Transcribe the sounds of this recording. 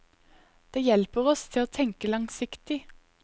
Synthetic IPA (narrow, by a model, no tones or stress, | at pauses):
d̪̥eːjɛlpəʁɔst̪ʰɪoːt̪ʰɛŋkəlɑŋsɪkt̪ɪ